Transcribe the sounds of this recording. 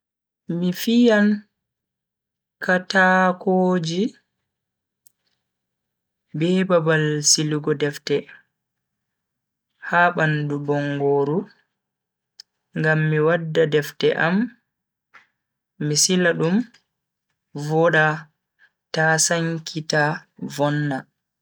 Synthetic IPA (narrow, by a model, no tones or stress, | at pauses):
mifijan | kʰatakoːd͡ʒi | bɛbabalsiluɡɔdɛftɛ | haːɓandubɔŋɡoːɾu | ŋɡamːiwadːadɛftɛʔam | isilaɗum | vɔɗa | tasaŋkʰitavɔnːa